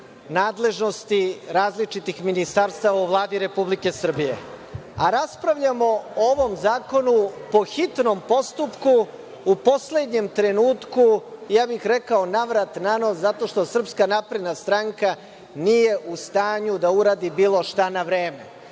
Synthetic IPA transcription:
naːd̪le̞ʒno̞st̪iɾaːzlit͡ʂit̪ixminist̪aɾst̪aʋauʋlˠaːd̪iɾe̞publike̞sr̩bijḛ | aɾaspɾaʋʎamo̞ooʋo̞mzaːko̞nupo̞xit̪no̞mpo̞st̪upkuː | po̞sle̞d̪ɲe̞mt̪ɾe̞nuːt̪kujaːbixɾekaonaʋɾat̪nano̞zat̪o̞ʃt̪o̞sr̩pskanapɾed̪nast̪ɾaŋka | nije̞ʔust̪aːɲud̪auɾaːd̪ibiːlˠo̞ʃt̪anaʋɾeːme̞̰

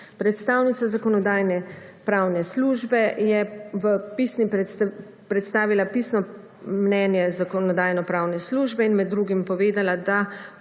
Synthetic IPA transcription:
pɾɛt̪st̪aːwnit̪sazakɔnɔd̪aːjnɛpɾaːwnɛsluːʒbɛjɛʋəpisni | pɾɛt̪st̪aːʋilapisnɔ | mnɛːnjɛzakɔnɔd̪aːjnɔpɾaːwnɛsluːʒbɛinmɛd̪ːɾuɡimpɔʋeːd̪alad̪a

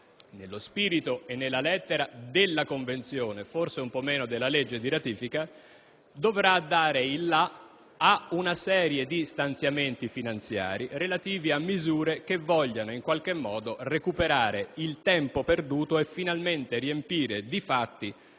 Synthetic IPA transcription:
nelːospiːɾit̪oʔenːelːalɛt̪ːeɾad̪elːakoɱvent̪sjoːneforseumpɔmːɛːnod̪elːaled͡ʒːed̪iɾat̪iːfika | d̪ovɾad̪ːaːɾeilːa | aunasɛːɾjed̪ist̪ant̪sjament̪ifinant̪sja̰ːɾirelat̪iːviamːizuːɾek̟evːɔʎːanoiŋkwalk̟emːɔːd̪orekupeɾaːɾeilt̪ɛmpoperd̪uːt̪oefːinalment̪eriempiːɾed̪ifat̪ːi

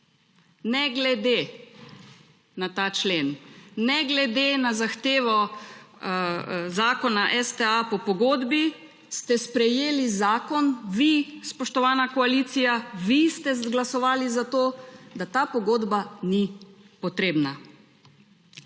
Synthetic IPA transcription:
nɛɡlɛd̪e | nat̪at͡ʃleːnːɛɡlɛd̪enazaxt̪eːʋɔ | zaːkɔnaʔɛst̪ɛapɔpɔɡoːd̪bi | st̪ɛspɾɛjeːlizaːkɔnʋispɔʃt̪ɔʋaːnakɔaliːt̪sijaʋist̪ɛzɡlasɔʋaːlizat̪od̪at̪aːpɔɡoːd̪bani | pɔt̪ɾeːbna

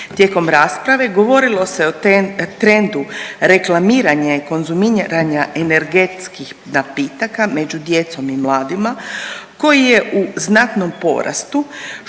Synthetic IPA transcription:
t̪je̞ko̞mɾaːspɾaʋe̞ɡo̞ʋo̞ɾilo̞se̞ot̪ɾe̞nd̪uɾe̞klˠamiːɾaɲaiko̞nzumiɾaɲaʔene̞ɾɡe̞t̪skix | napiːt̪akame̞d͡ʑud̪je̞t̪so̞mimlˠaːd̪imako̞jije̞ʔuznat̪no̞mpo̞̰ɾʔa̰st̪u

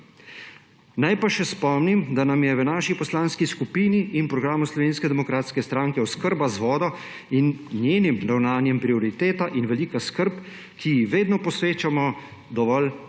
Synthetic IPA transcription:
najpaʃɛspɔmnimd̪anamjɛʋənaːʃipɔslaːnskiskupiːniʔːnpɾɔɡɾaːmuslɔʋeːnskɛd̪ɛmɔkɾaːt̪skɛst̪ɾaːŋkɛɔskəɾbazʋɔːd̪ɔ | innjeːnimɾawnaːnjɛmpɾiɔɾit̪eːt̪aʔinʋɛliːkaskəɾp | kʰijixʋeːd̪nɔpɔsʋeːt͡ʃamɔ | d̪ɔʋɔl

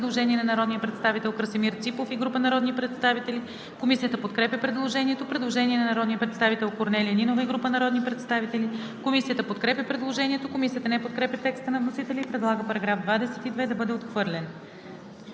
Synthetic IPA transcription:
d̪lˠoʒɛnʲiɛnɐnɐɾɔd̪nijəpɾɛt̪st̪avit̪ɛlˠkɾsɛmiɾt̪sipˠofiɡɾupənɐɾɔd̪nipɾɛt̪st̪avit̪ɛli | komisijət̪əpot̪kɾɛpʲjəpɾɛd̪lˠoʒɛniɛt̪opɾɛd̪lˠoʒɛniɛnɐnɐɾɔd̪nijəpɾɛt̪st̪avit̪ɛlˠkoɾnɛlʲiəninovəiɡɾupənɐɾɔd̪nipɾɛt̪st̪avit̪ɛlʲi | komisijət̪əpot̪kɾɛpʲjəpɾɛd̪lˠoʒɛniɛt̪okomisijət̪ənɛpot̪̚kɾɛpʲjət̪ɛkst̪ənɐvnosit̪ɛlʲiːpɾɛd̪lˠaɡəpɐɾɐɡɾafd̪vad̪ɛsɛt̪id̪vɛd̪ɐbɤd̪ɛot̪xvɤɾlʲɛn

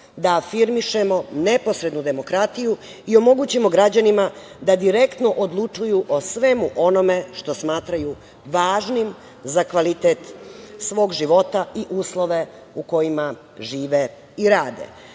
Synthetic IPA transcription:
d̪aːfiɾmiʃemo̞nepo̞sɾe̞d̪nud̪e̞mo̞kɾat̪iju | io̞mo̞ɡuːt͡ɕimo̞ɡɾad͡ʑanima | d̪ad̪iɾe̞kt̪noʔod̪lˠut͡ʂujuʔosʋemuʔo̞no̞me̞ʃt̪o̞smaːt̪ɾaju | ʋaːʒnim | zakʋalit̪eːt̪sʋo̞ːɡʒiʋo̞t̪aiʔuːslˠo̞ʋe̞ | uko̞jima | ʒiːʋe | iɾaːd̪ḛ

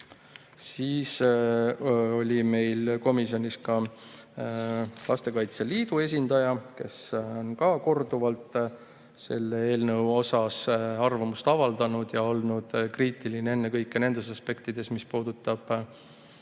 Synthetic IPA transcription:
siːs | o̞lʲime̞jlko̞misio̞nʲiskɑ | lɑst̪e̞kɑjt̪seliːd̪̥ue̞s̬ʲind̪̥ɑjɑke̞̰sonkɑko̞rd̪uvɑlt̪ˑ | se̞lːeeːlnɤwo̞sɑsɑrvɑmust̪ɑvɑld̪̥ɑnud̪̥jɑo̞lnud̪̥kriːt̪ilinee̞nːekɤjkːˑene̞nd̪̥e̞sɑspe̞kt̪id̪̥e̞smispuːd̪̥ut̪ːˑɑb̥

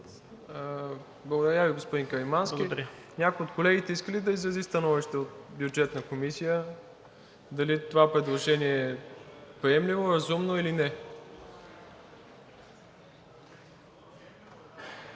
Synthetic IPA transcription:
blˠɐɡod̪ɐɾʲaviɡospod̪inkɐimanskʲiɾ | nʲakojot̪kolɛɡʲit̪ɛiskəlid̪ɐizɾɐzist̪ɐnɔviʃt̪ɛot̪bjud͡ʒɛt̪nəkomisijə | d̪ɐlit̪ovapɾɛd̪lˠoʒɛniɛːpɾiɛmlivoɾɐzumnoilinɛ

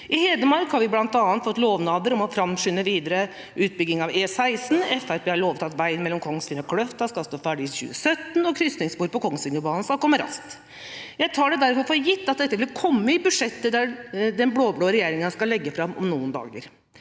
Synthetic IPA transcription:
ɪheːd̪əmɑɾkhɑɾʋɪblɑnt̪ɑːnt̪fɔt̪ːloːʋnɑːbəɾɔmɔfɾɑmʂʏnːəʋiːd̪əɾə | ʔʉːt̪bʏɡɪŋɑʋeːsæɪsn̩ɛfæɾeːhɑɭoːʋt̪ɑt̪ʋæɪnmɛlːɔmkʰɔŋːsfɪnəkʰlœft̪d̪ɑskɑlst̪oːfæːɖɪçʉ̰ːəsœt̪ːnɔkʰɾʏsnɪŋsbuːɾpɔkʰɔŋːsɪŋəbɑːnənskɑlkɔmːəɾɑ̰skt̪ | jæɪt̪ʰɑːɖɛd̪æɾfɔɾfɔɾjɪt̪ːɑt̪̚d̪ɛt̪ːəʋɪlkʰɔmːəɪbʉʂɛt̪ːəd̪æd̪ɛnbloːbloːəɾɛjeːɾɪŋɑskɑlːɛɡːəfɾɑmɔ̰mnuːənd̪ɑ̰ːɡ̪ə̰ɾ

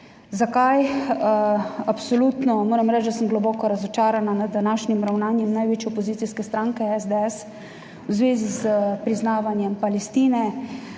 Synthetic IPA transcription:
zakaj | apsɔluːt̪nɔmoːɾɛmɾɛt͡ʃd̪asəmɡlɔbɔːkɔɾazɔt͡ʃaːɾananad̪̚ːanaːʃnimɾawnaːnjɛmnajʋeːt͡ʃjɛɔpɔziːt̪siskɛst̪ɾaːŋkɛɛzd̪ɛɛs | wzʋeːzizpɾiznaːʋanjɛmpalɛst̪iːnɛ

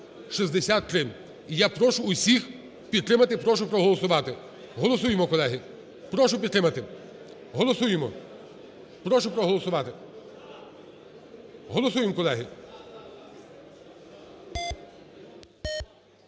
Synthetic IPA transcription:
ʃizd̪esʲat̪ːɾɪ | ijapɾɔʃʊːsʲix | pʲid̪t̪ɾɪmɐt̪ɪpɾɔʃ̬ʊpɾɔɦɔlˠɔsʊʋɑt̪ɪ | ɦɔlˠɔs̬ujemɔkɔlˠɛɦɪ | pɾɔʃʊpʲid̪t̪ɾɪmɐt̪ɪ | ɦɔlˠɔsujemɔ | pɾɔʃʊpɾɔɦɔlˠɔsʊʋɑt̪ɪ | ɦɔlˠɔsujemkɔlˠɛɦɪ

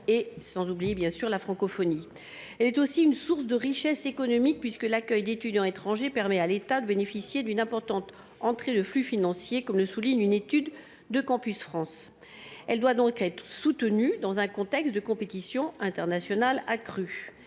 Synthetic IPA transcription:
esɑ̃zublijebjɛ̃syʁlafχɑ̃kɔfɔni | ɛlɛt̪osiynsuʁsd̪əʁiʃɛsekɔnɔmik̚pɥiskəlakʲœjd̪et̪yd̪jɑ̃et̪χɑ̃ʒepɛʁmɛalet̪ad̪əbenefisjed̪ynɛ̃pɔʁt̪ɑ̃t̪ | ɑ̃t̪χed̪əflyfinɑ̃sjekɔmləsuliɲynet̪yd̪ː | əkɑ̃pysfχɑ̃s | ɛld̪wad̪ɔ̃kɛt̪χəsut̪ənyd̪ɑ̃zɛ̃kɔ̃t̪ɛkst̪d̪əkɔ̃pet̪isjɔ̃ɛ̃t̪ɛʁnasjɔnalakχy

